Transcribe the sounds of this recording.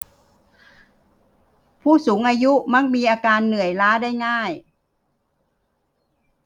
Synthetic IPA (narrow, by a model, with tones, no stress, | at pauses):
pʰuː˥˩suː˩˦ŋʔaː˧ju˦˥ma˦˧˥k̚miː˧ʔaː˧kaː˧nːɯ˨˩əjlaː˦˥daː˥˩jŋaː˥˩j